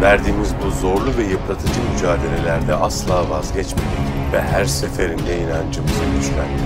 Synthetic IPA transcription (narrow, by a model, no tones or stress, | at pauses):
væɾd̪iːmizbuzo̞ɾlˠuvɛjɯplˠat̪ʰɯd͡ʒɯmyd͡ʒaːd̪e̞lʲe̞lʲæɾd̪ɛʔaslˠaːvazɟɛt͡ʃmed̪i | vɛ̰ɦæɾse̞fe̞ɾind̪ejinand͡ʒɯmɯzɯɟyʃlæ̰n